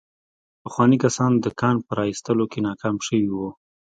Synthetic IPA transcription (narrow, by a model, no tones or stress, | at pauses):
pəxwɑnikasɑnd̪əkɑnpəɾɑist̪əlokenɑkɑmʃəwiwu